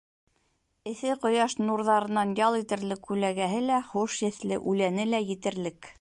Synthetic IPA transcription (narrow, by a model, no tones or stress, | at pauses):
ɘ̆θɘqŏjɑʃnuɾðɑɾɤ̆nɑnjɑlˠit̪ɘ̆ɾlɘkːʉlæɡæɦɘlæχuʃjɘ̆θlɘ̰ʔʉlænɘlæjɘ̆t̪ɘ̆ɾlɘk